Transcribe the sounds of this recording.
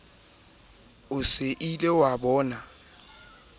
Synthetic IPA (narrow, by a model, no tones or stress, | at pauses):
ʊsɪʔilewabɔːna